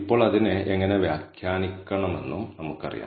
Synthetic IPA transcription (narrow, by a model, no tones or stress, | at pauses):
ipːo̞ːɭɐðineʔeŋːɐne̞ʋjaːkʰjaːnikʲːɐɳɐme̞nːumnɐmukːɨɐ̰rḭja̰ː